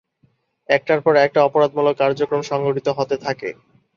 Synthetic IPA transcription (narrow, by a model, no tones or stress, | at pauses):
ɛk̚ʈaɾpɔɾɛk̚ʈaɔpoɾad̪̚mulokaɾd͡ʑokɾomʃɔŋɡoʈit̪oɦot̪et̪ʰakḛ